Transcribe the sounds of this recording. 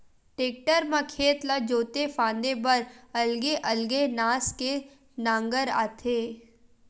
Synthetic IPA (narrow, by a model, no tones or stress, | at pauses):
ʈeːk̚ʈəɾmãkʰeːt̪lad͡ʒoːt̪efãːnd̪ebɐɾɐlɡeʔɐlɡenaːske | nãːŋɡəɾa̰ːt̪ʰeː